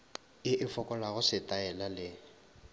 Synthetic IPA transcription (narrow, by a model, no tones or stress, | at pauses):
ɪʔɪfɔkʼɔlaɣʊsɪtʼaɛlalɪ